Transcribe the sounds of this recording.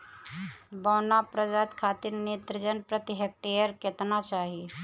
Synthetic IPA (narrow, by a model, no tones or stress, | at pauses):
bɔːnapɾəd͡ʒaːt̪kʰaːt̪ɪɾneːt̪ɾəd͡ʒənpɾət̪ɪɦek̚ʈeːjəɾkɪt̪nat͡ʃaːɦie